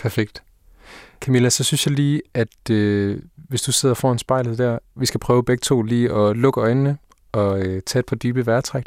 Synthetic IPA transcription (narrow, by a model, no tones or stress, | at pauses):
pʰæɐfeɡ̥d̥ | kʰæmilæsɒ̽synsjɑ̈ɪliːʔæd̥øʋe̝sd̥use̝ð̞̰ˠɐfɒ̰ːe̝nsb̥ɑ̈ɪ̰lð̩ˠd̥æɐʋisɡ̥æpʰʁœːʊb̥eɡ̥̚t͡sʰo̝̰ːliːɒ̽lɔ̽ɡ̥əɒ̽ɪnnə | ɒ̽øt͡sʰɛ̰ːed̥̚pʰɒ̽d̥yːb̥əʋæɐt͡sʰʁaɡ̥